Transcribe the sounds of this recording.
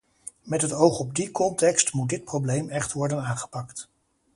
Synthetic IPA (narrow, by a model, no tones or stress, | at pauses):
mɛtɦətowχɔb̚dikɔntɛkstmut̚dɪt̚prowblejmɛχtʋɔɹdənaːŋχə̥pɑkt